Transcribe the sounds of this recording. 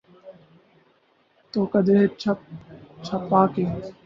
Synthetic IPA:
t̪oːkɐd̪eɦet͡ʃʰ | t͡ʃʰɐpːaːke

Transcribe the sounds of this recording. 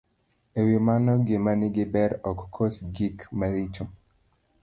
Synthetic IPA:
ewimanɔɡɪmanɪɡɪbɛɾɔkːʰosd͡ʒikmaɾit͡ʃo

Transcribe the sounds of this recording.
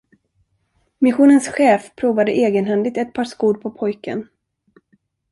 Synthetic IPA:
mɪɧuːnənsɧɛːfpʰɾuːvad̪əʔeːɡənɦɛnd̪ɪɡ̚t̪ɛt̪̚pʰɑːʂkuːɖpʰɔpʰɔjkə̰n

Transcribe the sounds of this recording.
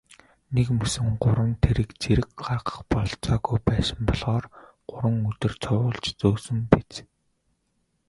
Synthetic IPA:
nekmɵsɘ̆ŋɢʊɾə̆nt̪ʰeɾɘ̆kt͡sʰeɾɘ̆k̚ɢarχə̥̆χpɔɮt͡sɔːɣujpæːsə̆mpɔɮʁ̥ɔːr | ɢ̥ʊɾwə̆ŋɵt̪ɵ̆rt͡sʰʊwʊːɮt͡ɕt͡soːsɵ̆mpit͡s

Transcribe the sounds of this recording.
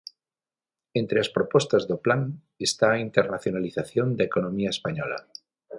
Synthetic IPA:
ent̪ɾeaspɾopɔst̪azðoplaŋ | est̪aːint̪eɾnaθjonaliθaθjond̪aekonõmiaespaɲɔla̰

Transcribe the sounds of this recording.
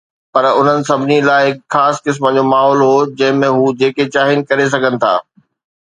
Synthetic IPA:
pɐɾʊn̤ənɪ̆sɐbʱɪnilaːɪɦɪkxaːskɪs̬mə̆d͡ʑoːmaːɦɔːlɦod͡ʑɐ̃ɦɪ̃mẽɦuːd͡ʑeːket͡ɕaːɦiɪnɪ̆kɐɾes̬ɐɡʱənɪ̆t̪ʰa̰ː

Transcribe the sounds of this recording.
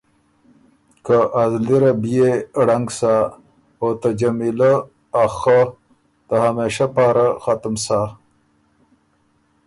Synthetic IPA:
kəʔazliɾabijeɽaŋɡsa | ot̪ad͡ʒamilaː | xa | d̪̥əhameʃapaːɾaxat̪msa

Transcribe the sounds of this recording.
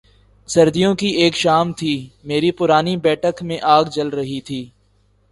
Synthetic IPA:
sɐɾd̪ijõkieːkʃaːmt̪ʰiːmeːɾipʊɾaːnibɛːʈəkmẽʔaːɡd͡ʒɐlɾɐɦit̪ʰiː

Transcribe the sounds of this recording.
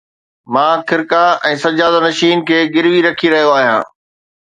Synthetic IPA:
mãːkʰɪɾkaɛ̃ːsɐd͡ʑaːd̪anɐʃiːnkʰeːɡɪɾʋiɾɐkʰiɾɐɦijoaːɦijãː

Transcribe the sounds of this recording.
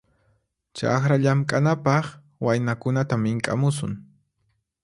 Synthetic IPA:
t͡ʃa̰xɾaʎamkʼanapɑχ | wajnakʊnat̪amɪŋkʼa̰mʊsʊ̰ŋ

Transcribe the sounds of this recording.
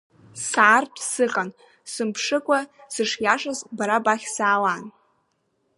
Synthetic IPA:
saːrtʰʼsɨqʼan | sɨmpʰʂɨkʷʼasɨʂjaʂazbaɾabaχʲsaːlan

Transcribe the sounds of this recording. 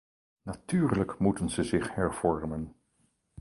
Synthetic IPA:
natyːrləkmutənzəzɪχhɛɹv̥ɔɹmən

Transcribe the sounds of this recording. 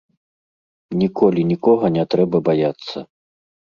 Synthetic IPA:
nʲikɔlʲinʲikɔɣɐnʲɛt̪ɾɛbɐbajat̪sːɐ̰

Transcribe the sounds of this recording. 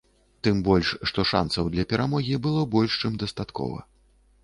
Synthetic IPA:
t̪ɨmbɔlʲʂːt̪ɔʂa̰nsɐwd̪lʲɐpʲɛɾamɔɣʲibɨlˠɔbɔlʲʂt͡ʂɨmd̪ɐst̪at̪kɔ̰vɐ̰

